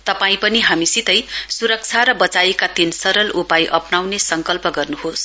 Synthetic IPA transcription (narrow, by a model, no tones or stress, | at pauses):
t̪ʌpaĩpʌniɦamisit̪ʌjsuɾʌk̚t͡sʰaɾʌbʌt͡sajekat̪insʌɾʌlupajʔʌpnawnesʌŋkʌlpʌɡʌrnuɦos